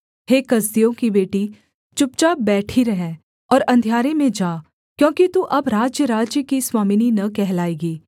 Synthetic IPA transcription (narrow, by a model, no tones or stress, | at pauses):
heːkɐzd̪ijõkibeːʈi | t͡ʃʊp̚t͡ʃabɛːʈʰiɾɐɦɛ̃ː | ɔːɾɐ̃nd̪ʱjaːɾemẽd͡ʒaː | kjõːkit̪uʔɐbɾaːd͡ʒjəɾaːd͡ʒjəkiswaːmininɐkɛɦlaːeːɡiː